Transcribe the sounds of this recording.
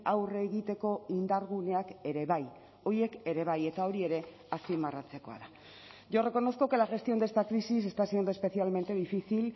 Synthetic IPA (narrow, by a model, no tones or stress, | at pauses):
awreːɣit̪e̞ko̞ind̪aɾɣune̞ake̞ɾe̞βaj | o̞je̞ke̞ɾe̞β̞aje̞t̪ao̞ɾie̞ɾe̞ | aspimarat͡se̞ko̞a̰ða | ʝo̞re̞ko̞no̞skoke̞laʝe̞st̪io̞nd̪est̪akɾisis̬e̞st̪asiond̪oe̞spe̞θialme̞nt̪e̞ðifisil